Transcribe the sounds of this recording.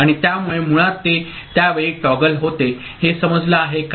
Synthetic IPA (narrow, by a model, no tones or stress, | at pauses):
aɽ̃it̪jamuɭemuɭat̪ːe | t̪jaʋeɭiːʈɔɡəlɦot̪e | hesəməd͡zləaɦek